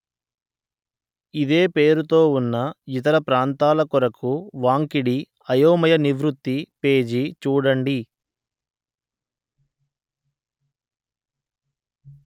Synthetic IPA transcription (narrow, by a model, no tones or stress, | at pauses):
id̪e̞ːpe̞ːɾut̪o̞ːunːɐit̪ɐɾɐpɾaːnt̪aːlɐkɔɾɐkʰuʋaːŋkiɽi | ɐjoːmɐjɐniʋɾut̪ːipe̞ːd͡ʒit͡ʃuːɽɐɳɖi